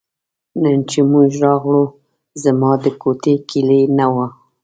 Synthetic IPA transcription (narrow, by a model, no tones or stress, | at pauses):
nənt͡ʃemuʒɾɑɣɽu | zamɑd̪əkot̪ekilenawa